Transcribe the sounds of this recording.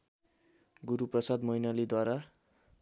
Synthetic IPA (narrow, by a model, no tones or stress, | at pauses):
ɡuɾuprʌsad̪mʌinalid̪waɾa